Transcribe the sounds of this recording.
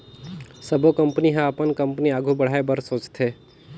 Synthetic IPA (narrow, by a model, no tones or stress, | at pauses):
səbʱokəmpniɦãəpənkə̃mpniaːɡʱubɐɽ̤aːebəɾsoːt͡ʃt̪ʰeː